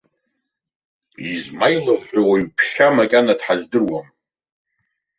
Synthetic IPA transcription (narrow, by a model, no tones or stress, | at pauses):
izmajlɨvħᶣʷawaɥpʰʃamakʲʼanadħazdɨrwam